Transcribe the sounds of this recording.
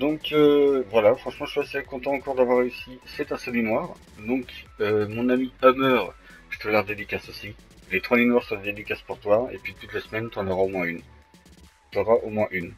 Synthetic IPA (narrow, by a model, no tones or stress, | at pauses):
d̪ɔ̃køvwalafχɑ̃ʃmɑ̃ʒəʃasekɔ̃t̪ɑ̃ːkɔʁd̪avwaʁːeysisɛt̪ɛ̃sɔlinwaːʁ | d̪ɔ̃kømɔ̃namiɔmœʁ | ʒ̥ət̪alɛʁd̪ed̪ikʲasosi | let̪χwaninwaʁsəʁɛd̪ed̪ikʲaspuʁt̪waḛpɥit̪ut̪lasmɛnt̪yɑ̃nəʁaomwɛ̃yn | t̪ɔʁaʔomwɛ̃ʔyn